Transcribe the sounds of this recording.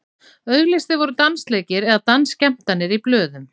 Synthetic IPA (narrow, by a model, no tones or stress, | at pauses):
œɥɣlɪst̪ɪvɔɾʏt̪ansleːcɪɾɛðat̪anscɛm̥t̪anːɪɾiplœːðʏm